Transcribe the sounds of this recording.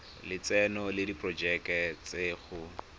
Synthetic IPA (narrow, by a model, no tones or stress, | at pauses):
lɪt͡sɛnɔlɪdipʼrɔd͡ʒɛkɛt͡seːχʊ